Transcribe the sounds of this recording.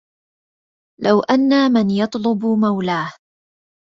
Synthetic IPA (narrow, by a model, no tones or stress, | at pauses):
lawʔanːamanjɑt̪ˤlʊbmawlaːh